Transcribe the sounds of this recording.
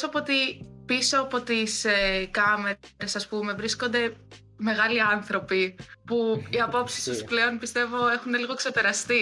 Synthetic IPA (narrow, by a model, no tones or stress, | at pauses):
soɐpot̪ipiso̞ɐpo̞t̪isekɐme̞ɾe̞sɐspume̞vɾisko̞nd̪e̞ | me̞ɣɐliɐnθɾo̞pipuiɐpo̞psi̥st̪usple̞o̞npist̪e̞vo̞exune̞liɣo̞ekse̞pe̞ɾɐst̪i